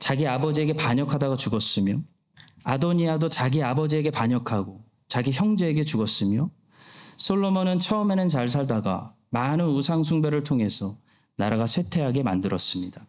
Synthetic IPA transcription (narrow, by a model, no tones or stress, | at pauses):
t͡ɕaɡiabʌd͡ʑie̞ɡe̞paɲʌkʰadaɡat͡ɕuɡʌs͈ɯmjo | adoɲiadot͡ɕaɡiabʌd͡ʑie̞ɡe̞paɲʌkʰaɡo | t͡ɕaɡiçjʌŋd͡ʑe̞ːɡe̞t͡ɕuɡʌs͈ɯmjo | sʰoɭːomʌnɯnt͡ɕʰʌɯme̞nɯnt͡ɕaɭs̬ʰaɭdaɡa̰ | manɯnusʰaŋsʰuŋbeɾɯɭtʰoŋɦe̞sʰʌ | naɾaɡasʰwe̞tʰe̞ɦaɡe̞mandɯɾʌs͈ɯmɲida